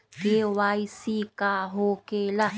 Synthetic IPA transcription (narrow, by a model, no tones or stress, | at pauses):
kewaːisikaɦoːkeːla